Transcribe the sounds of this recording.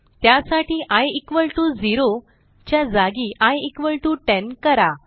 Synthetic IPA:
t̪jasaʈiːʔajikʋəɭʈud͡ziɾo | t͡ɕjad͡zaɡiʔajikʋəɭʈuʈɛnkəɾa

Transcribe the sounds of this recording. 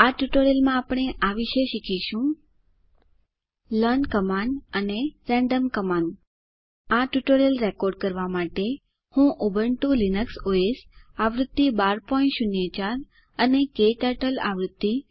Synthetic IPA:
aʈjuʈoɾjelmãːpɽ̃eʔaʋiʃeʃikʰiʃũ | lənkəmanɖəneɾɛ̃ɳɖəmkəmaɳɖ | aʈjuʈoɾelɾekoɾɖ̚kəɾʋamaʈe | hũʔobəɳʈulinəksoesaʋɾʊd̪ːibaɾpɔĩnʃʊnjet͡ʃaɾ | ənekeʈəʈəla̰ʋɾʊd̪ːi

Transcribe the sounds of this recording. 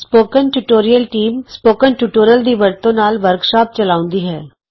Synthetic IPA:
spoːkənʈuʈoːɾijəlʈiːmspoːkənʈuʈoːɾijəld̪iːʋəɾt̪õnaːlʋəɾkʃaːp̚t͡ʃəlaːʊ̃nd̪iːɦɛː

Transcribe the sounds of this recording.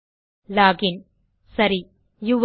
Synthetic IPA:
laːɡɪn | sɐɾi | juʋ

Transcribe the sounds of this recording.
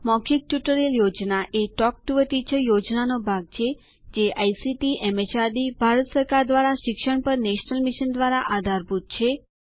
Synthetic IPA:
mɔkʰik̚ʈjuʈəɾeəljod͡ʒnaʔeʈɔk̚ʈuʋəʈ̪it͡ʃʰəjod͡ʒnanobʱaɡ̚t͡ʃʰe | d͡ʒeʔajsiʈiʔɛmet͡ʃaɾd̪ibʱaɾət̪səɾkaɾd̪ʋaɾaʃɪkʃəɳpəɾneʃnəlmiʃənd̪ʋaɾaʔad̪ʱaɾbʱut̪̚t͡ʃʰe

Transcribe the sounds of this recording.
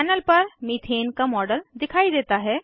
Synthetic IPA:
ɛːnəlpɐɾmit̪ʰeːnkamɔːɖəld̪ɪkʰaːid̪eːt̪aɦɛː

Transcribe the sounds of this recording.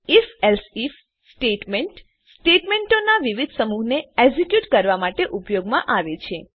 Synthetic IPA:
ifɛlsif | sʈeʈmeɳʈ | sʈeʈmeɳʈonaʋiʋid̪ʱsəmuɦneeɡzikjuʈkəɾʋamaʈeʔupjoɡmãʔaʋet͡ʃʰe

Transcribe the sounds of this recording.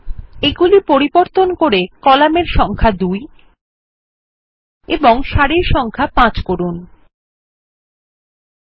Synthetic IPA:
eɡulipoɾiboɾt̪onkoɾekɔlameɾʃɔŋkʰad̪uj | eboŋʃaɽeɾʃɔŋkʰapãt͡ɕkoɾun

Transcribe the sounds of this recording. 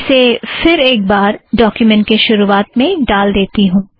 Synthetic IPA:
sefɪɾeːk̚baːɾɖɔːkjʊmɛ̃ɳʈ̚keʃʊɾuaːt̪mẽɖaːld̪eːt̪iɦũː

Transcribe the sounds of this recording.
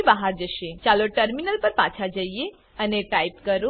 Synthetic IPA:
baɦaɾd͡ʒəʃet͡ʃaloʈəɾminəlpəɾpã̰t͡ʃʰad͡ʒəije | əneʈaipkəɾu

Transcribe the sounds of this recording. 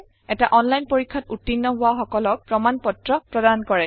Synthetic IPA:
ɛtaʔɔnlajnpoɹikʰːatutːinːɔɦʊwaxɔkɔlɔk̚pɹɔmanpɔtɹɔpɹɔdankɔɹɛ

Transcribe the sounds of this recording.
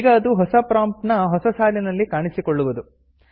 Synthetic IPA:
iɡɐːd̪uɦɔsɐpɾaːmpnɐɦɔsɐsaːlinɐlːikaːɳisikɔɭːuʋud̪u

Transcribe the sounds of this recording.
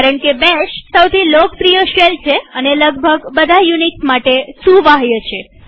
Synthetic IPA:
kaɾəɳkebeʃʈsəwt̪ʰilok̚pɾijəʃelt͡ʃʰeəneləɡ̚bʱəɡbəd̪ʱajuniʈmaʈesuʋaɦjət͡ʃʰe

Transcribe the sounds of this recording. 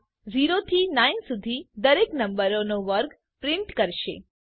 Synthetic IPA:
ziɾot̪ʰinainsud̪ʱid̪əɾeknəmbəɾonoʋəɾɡ | pɾɪ̃ɳʈkəɾʃḛ

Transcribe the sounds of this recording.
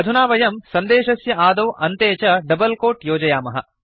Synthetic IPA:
ɐd̪ʱunaːʋɐjɐmsɐnd̪eːʃɐsjɐʔaːd̪ɐʋʔɐnt̪eːt͡ʃɐɖɐbɐlkoːʈjoːd͡ʒɐjaːmɐɦɐ̰

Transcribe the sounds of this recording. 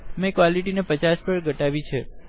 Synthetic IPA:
mekʋaliʈinepət͡ʃaspəɭɡʱəʈaʋit͡ʃʰe

